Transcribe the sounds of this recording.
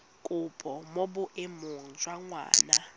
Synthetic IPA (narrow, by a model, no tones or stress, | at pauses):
kʼʊpʼɔmobʊʔemʊŋ̩d͡ʒwaŋwa̰ːna